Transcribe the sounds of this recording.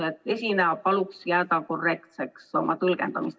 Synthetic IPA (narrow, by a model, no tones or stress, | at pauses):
et̪ːesʲineɑpɑluksjæːt̪ɑkorːekt̪sekso̞̰mɑt̪ulkent̪ɑmist̪